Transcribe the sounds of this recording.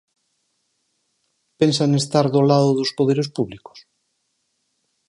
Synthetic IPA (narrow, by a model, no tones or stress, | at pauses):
pensaŋest̪aɾðolaðoðospoðeɾespuβliko̥s